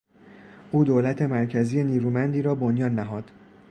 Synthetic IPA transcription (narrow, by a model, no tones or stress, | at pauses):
ʔuːd̪oːlæt̪ʰe̞mæɾcʰæzije̞niːɾuːmænd̪iːɾɒːbo̞njɒːnːæɦɒːd̪̥